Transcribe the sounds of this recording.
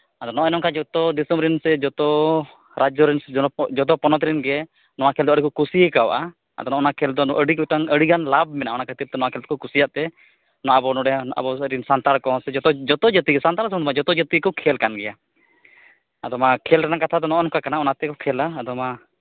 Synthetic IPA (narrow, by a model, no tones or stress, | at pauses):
ad̪ɔnɔɛnɔmkad͡ʒɔt̪ɔd̪isɔmɾɛnsɛd͡ʒɔt̪ɔ | ɾad͡ʒɔɾɛnsɛd͡ʒɔt̪̬ɔpɔnɔt̪ɾinɡɛ | nɔwakʰɛld̪ɔəɖikɔkusikawʔa | a̰d̪ɔnɔʔɔnakʰɛld̪ɔɔʔəɽikɔʈaŋəɽiɡanlab̚mɛnaɔnakʰət̪ip̚t̪ɛnɔwakʰɛlt̪kɔkusijaʔt̪ɛ | nɔaabɔnɔɖɛa̰bɔɾinsant̪aɾkɔsɛd͡ʒɔt̪ɔd͡ʒət̪iɡɛsant̪aɾsɔŋd̪ɔmad͡ʒɔt̪ɔd͡ʒət̪ikɔkʰɛlkanɡɛja | ad̪ɔmakʰɛlɾɛnaŋkat̪ʰad̪ɔnɔʔɔnkakanaɔnat̪ɛkɔkʰɛlaːd̪ɔma